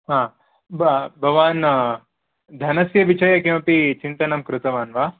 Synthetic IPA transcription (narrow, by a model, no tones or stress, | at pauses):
ɦãː | bbʱɐʋaːn | d̪ʱɐnɐsjɐʋit͡ʃɐjɐkimɐpit͡ʃint̪ɐnɐmkɾɪt̪ɐʋaːnʋaː